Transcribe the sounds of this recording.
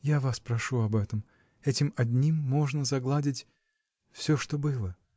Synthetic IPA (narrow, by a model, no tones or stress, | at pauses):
javaspɾɐʂuɐbɛt̪əm | ɛtʲɪmɐdʲnʲimːo̞ʐnəzɐɡlˠadʲɪtʲ | fsʲoʂt̪obɨlˠə